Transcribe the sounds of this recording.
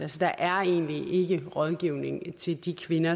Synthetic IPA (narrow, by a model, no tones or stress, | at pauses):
ælsəd̥ɑ̈ʔæɐe̝̰ːnlie̝ɡ̥əʁɒ̽ð̞ˠɡ̥iʊ̰ne̝ŋt͡sʰe̝ld̥ikʰʋe̝nɐ